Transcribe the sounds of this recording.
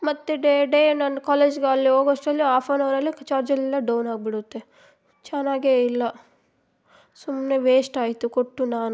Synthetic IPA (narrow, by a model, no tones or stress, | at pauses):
mɐt̪ːeɖeɖenɐnːɐkaːleːd͡ʒɡeɐlːioːɡɔʂʈɐlːiaːpʰaːnɐʋɐɾɐlːit͡ʃaːɾd͡ʒɐlːind̪ɐɖɐwnaːɡ̚biɽut̪ːe | t͡ʃaːnaːɡeilːɐ | sumne̞ʋeːsʈaːjit̪ukoʈːunaːnu